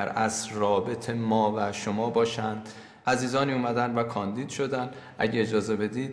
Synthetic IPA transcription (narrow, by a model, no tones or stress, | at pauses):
æɾæsrɒːbe̞t̪ʰemɒːvæʃo̞mɒːbɒːʃænd̪ | ʔæziːzɒːniːuːmæd̪ænd̪vækʰɒːnd̪iːd̪̥ʃo̞d̪ænd̪ | ʔæ̰ɟeed͡ʒɒːze̞be̞d̪iːd̪̚